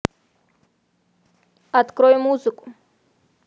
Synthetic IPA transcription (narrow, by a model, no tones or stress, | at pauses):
at̪kɾojmuzɨkʼu